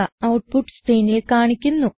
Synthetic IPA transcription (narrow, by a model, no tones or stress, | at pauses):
ɐɐwʈ̚puʈːst̪ejnilkaːɳikʲːunːu